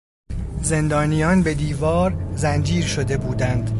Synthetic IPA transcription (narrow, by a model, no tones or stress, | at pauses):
ze̞nd̪ɒːnijɒːnbe̞d̪iːvɒːɾzænd͡ʒiːɾʃod̪e̞buːd̪ænd̪̥